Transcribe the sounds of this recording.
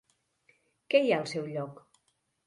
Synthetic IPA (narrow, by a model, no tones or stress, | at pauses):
kɛjaəlˠsɛwʎɔk